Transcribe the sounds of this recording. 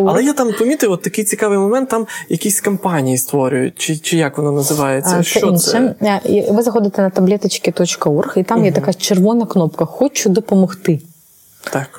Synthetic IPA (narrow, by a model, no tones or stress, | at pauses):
ɐlˠɛjat̪ampɐmʲit̪ɐjʊɔt̪ːɐkɪjt͡sʲikaʋɨjmɔmɛnt̪ːamjɐkʲisʲkɐmpanʲijist̪ʋɔɾʲʊjʊ̰t̚ʲt͡ʃɪt͡ʃɪjakʋɔnanɐzɪʋajet͡sʲːɐʃɛɔinsʃɛivɨzɐxɔd̪ʲɪt̪ʲɛnɐt̪ɐblʲɛt̪ɐt͡ʃkʲɪt̪ɔt͡ʃkɐɔrxit̪amjɛt̪ɐkat͡ʃɛrʋɔnɐknɔpkɐxɔt͡ʃʊd̪ɔpɐmɐxt̪ɪ | t̪ak